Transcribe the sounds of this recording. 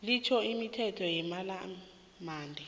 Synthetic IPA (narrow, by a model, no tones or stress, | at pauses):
lit͡ʃʰɔimitʰɛtʰɔjɛmala | maːndʱɛ